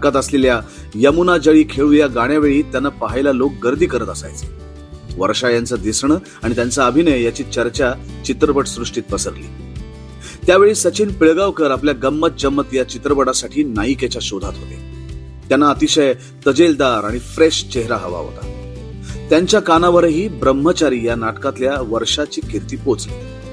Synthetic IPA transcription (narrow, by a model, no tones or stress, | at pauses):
kat̪əslelja | jəmunad͡ʑəɭiːkʰeɭũjaɡaɽ̃jaʋeɭiːt̪janːapəɦajlalok̚ɡəɾd̪ʱiːkəɾət̪əsa̰jt͡sə̥ | ʋəɾɕajant͡səd̪isɳə | aɽ̃it̪jant͡saəbʱinəjjat͡ɕiːt͡ɕəɾt͡ɕat͡ɕit̪ɾəpəʈsɾuʂʈiːt̪̚pəsəɾlḭː | t̪jaʋeɭiːsət͡ɕiːnpiɭɡaʋkəɾapljaɡəmːət̪̚d͡ʑəmːət̪jat͡ɕit̪ɾəpəɽasaʈʰiːnaiket͡ɕaɕod̪ʱat̪ɦo̰t̪ḛ | t̪janːaət̪iɕəj | t̪əd͡ʑeld̪aɾaɽ̃ifɾeɕt͡ɕeɦɾaɦəʋa̰ɦo̰t̪a | t̪jaɲt͡ɕjakanaʋəɾɦiːbɾəmːət͡ɕaɾiːjanaʈkat̪ljaʋəɾʂat͡ɕiːkʰiɾt̪iːpot͡sli